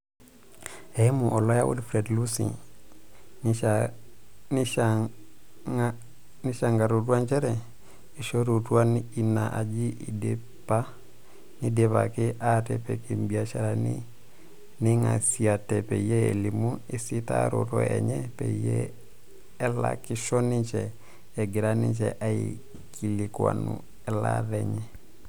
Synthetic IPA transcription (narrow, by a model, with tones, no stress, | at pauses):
ɛ˦mu˨ʔɔ˨lɔ˦ja˦wṵ˦dfɾe˨dlu˦sḭ˨ | na | a | ni˦ʃa˨ŋɡa˨ɾu˨tu˦a˦nt͡ʃɛ˦ɾɛ˨ | i˨ʃo˦ɾu˨tu˦a˦ni˨na˨ʔa˨d͡ʒi˦ʔi˨de | pa˦ | ni˦de˨pa˨kɪ˦ʔa˦tɛ˦pɛ˨ki˨mbi˨a˦ʃa˨ɾa˨nɪ̰˦ | nɪ˦ŋa̰˨si˨a˨tɛ˨pɛ˨i˨jɛ˦ɛ˨li˨mu˦ɪ˦si˦ta̰˦ɾo̰˨tɔ̰˨ɛ̰˨ɲɛ˦pɛ˨i˨jɛ̰˦ | ɛ˦la̰˨kɪ˦ʃɔ˦nɪ˦t͡ʃɛ˨ | ɛ˨ɡɪ˨ɾa˦nɪ˦t͡ʃɛ˨ʔa˦ḭ˨ | kʰi˨lɪ˨kwa̰˨nṵ˨ | ɛ˦la̰˦ðɛɲɛ˨